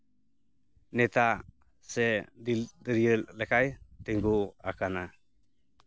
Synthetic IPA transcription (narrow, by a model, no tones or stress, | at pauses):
nɛt̪a | sɛdd̪əɾijəllɛkajt̪eŋɡua̰kana